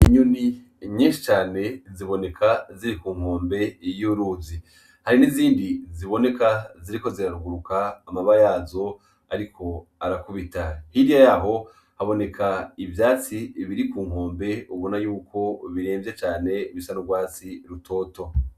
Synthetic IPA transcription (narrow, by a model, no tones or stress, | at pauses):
iɲuni | ɲiːnʃi̥t͡ʃaːne̞ziβo̞ne̞kʰaziɾikuːŋ̥ho̞ːmbe̞juɾuzi | haɾiniziːndiziβo̞ne̞kaziɾiko̞ziɾaɾuɡuɾukaːmaβajaːzo̞ | aɾikʰo̞aɾakuβitahiɾijajaːɦo̞ | haβo̞ne̞kʰaivjaːt͡siβiɾikuːŋ̥o̞ːmbe̞uβonajuːkʰo̞βiɾeːmvjet͡ʃaːne̞βisanuɡwaːt͡siɾutʰo̞ːto̞